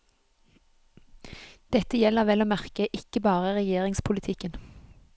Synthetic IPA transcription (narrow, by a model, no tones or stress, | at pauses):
d̪̥ɛt̪əjɛləʁʋɛloːmæʁkəʔɪkəbɑːʁəʁɛjeːʁɪŋspʰʊlɪt̪ʰɪkən